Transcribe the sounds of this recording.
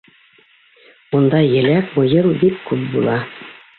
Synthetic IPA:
und̪ɑjɘ̆lʲækmŏjɤɾbikkːʉp̚bulˠɑ

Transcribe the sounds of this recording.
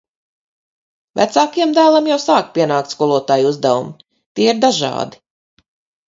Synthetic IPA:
væ̰t̪saːkijɛmd̪æːlˠamjawsaːkpʲiɛnaːkt̪skɔlˠuɔt̪aːjuzd̪ævṵm | t̪iɛiɾd̪aʒɑ̰ːd̪i

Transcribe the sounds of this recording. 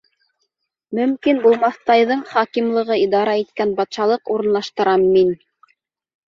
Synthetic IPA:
mɵ̆mkinbulˠmɑθt̪ɑjðɤɴχɑkimlˠɤ̆ʁɤid̪ɑɾɑit̪kænbɑt̪ʃɑlˠɤquɾɤ̆nlˠɑʃt̪ɤ̆ɾɑmːin

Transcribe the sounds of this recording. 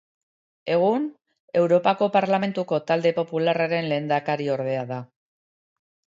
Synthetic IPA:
e̞ɣ̞un | e̞wɾo̞pako̞paɾlame̞nt̪uko̞t̪ald̪e̞po̞pularaɾe̞nle̞ːnd̪akaɾio̞ɾð̞e̞aða

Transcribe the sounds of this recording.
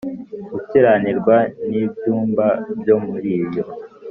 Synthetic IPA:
ɡuteɾaniɾɡwanibjuːmbabjo̞muɾiːjo̞

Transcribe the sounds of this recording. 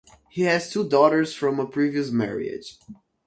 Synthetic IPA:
hihɨz̥tʰudɔɾə˞z̥fɹʌ̃məpʰɹ̥iviɨs̬mɛ̰ɹḭɪ̰d̥ʒ̥

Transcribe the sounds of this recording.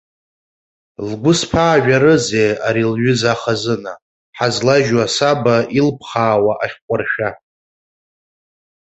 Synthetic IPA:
lɡʷʊspʰaːʒᶣaɾɨzejaɾilɥʏzaχazɨna | ħazlaʒwasabailpʰχaːwaʔaχʲqʷʼʊrʃᶣa

